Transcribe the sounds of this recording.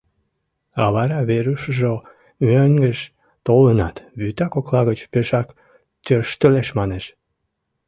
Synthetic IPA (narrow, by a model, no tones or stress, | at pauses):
ɑβɑɾɑβeɾuʃəʒo | møŋɡəʃ | t̪olənɑt̪βyt̪ɑkoklɑɣət͡ɕpeʃɑk | t̪ørʃt̪əleʃmɑneʃ